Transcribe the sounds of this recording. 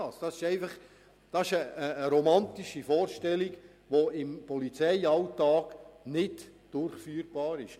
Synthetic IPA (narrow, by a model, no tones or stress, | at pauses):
ɑsd̥ɑsɪʃɛɪfɑχ | d̥ɑsɪʃəəːɾomɑnt̪iʃifɔːɾʃtɛliɡ | ʋoɪmpɔlit͡sɛɪɑltɑːɡ̥nɪd | d̥ʊɾχfyːɾb̥ɑːɾɪʃ